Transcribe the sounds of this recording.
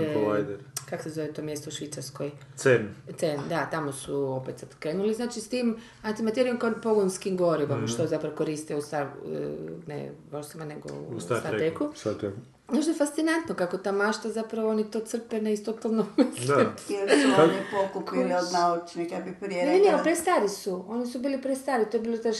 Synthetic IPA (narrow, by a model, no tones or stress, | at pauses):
ʋajd̪eɾkakosezoʋet̪o̞ːmjest̪ouʃʋiːt̪saɾskoj̪sent̪send̪at̪amosuopet̪sat̪kɾenuliznaːt͡ʃist̪im | ant̪imat̪eɾijomkonpoɡonskimɡoɾiʋamuʃt̪ozapɾaʋokoɾist̪iust̪a̰ | nḛʋoɾsimaneɡo̰ṵst̪t̪at̪ekusat̪ek | naʃd̪ofast̪sinant̪nokakot̪amaʃt̪ʋazapɾaʋoonit̪o̞ːt̪sr̩peneist̪ot̪alnomisleelsunipokupiliod̪naut͡ʃnikabipɾijenenepɾest̪aɾisuo̞nisubiːlipɾest̪aːɾit̪oebiːlot̪a